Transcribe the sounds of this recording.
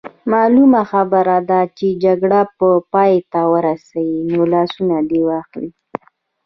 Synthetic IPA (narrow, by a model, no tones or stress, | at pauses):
mɑlumaxabəɾad̪at͡ʃed͡ʒaɡɽapəpɑjet̪awəɾasawinolɑsunad̪ewɑxli